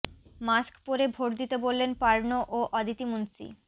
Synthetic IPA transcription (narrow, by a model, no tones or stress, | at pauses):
maskpoɾebʱoʈd̪it̪ebolːenpaɾnoʔoʔɔd̪it̪imunsḭ